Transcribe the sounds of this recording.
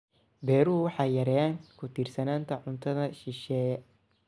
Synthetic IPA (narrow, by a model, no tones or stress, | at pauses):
bɛːɾuwɑħɑjːɐɾɛjaːŋkʰʊt̪ʰiːrsɐnaːnt̪ʰɐʕʊnt̪ʰɐðɐʃɪʃɛː